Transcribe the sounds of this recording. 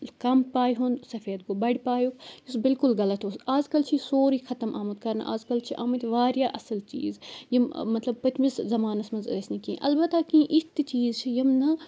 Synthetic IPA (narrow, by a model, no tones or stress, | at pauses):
kɐmpaːjɦũnd̪sɐfeːd̪̚kobɐɽʲpaːjukjusbɪlkʊlɣɐlɐt̪usaːd͡ʒkɐlt͡ʃʰisoːɾiːxʰɐt̪ɐmʔa̰ːmɐt̪kɐɾnʔa̰ːzkɐlt͡ʃʰiʔaːmɐt̪ʲʋaːɾjaːʔɐsɐlt͡ʃḭːzjimmɐt̪lɐb̚pɐt̪miszɐmaːnɐsmɐnzɐsnikĩʔɐ̰lbɐt̪aːkĩʔit̪t͡ʃiːzt͡ʃʰijimnɐ